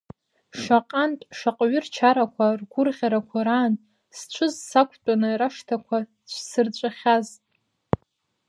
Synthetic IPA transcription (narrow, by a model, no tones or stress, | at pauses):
ʂʷaqʼantʼʃaqʼɥʏrt͡ʃʰaɾakʷʰarɡʷʊrʁʲaɾakʷʰaɾaːn | st͡ʃʷʰɨzsakʷʰtʷʼanɨɾaʂtʰakʷʰa | t͡ʃʷʰsɨrt͡ɕʷʼaχʲazʼ